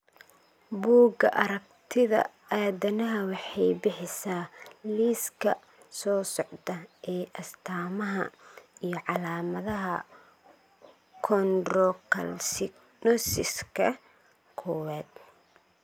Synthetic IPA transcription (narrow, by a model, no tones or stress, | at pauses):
buːɡɐʔɐɾɐɡt̪ʰɪðɐ̰ | aːdɐnɐɦɐwɑħɑjbɪħɪsaːliːskʰɐ | sɔːsɔʕd̪ɐʔɛːʔɐst̪ʰaːmɐɦɐ̰ijɞʕɑlaːmɐðɐɦɐ | kʰɔnrɔkʰɐ̰lsɪ | nɔsɪskʰɐ | kʰɔwaːd̪̚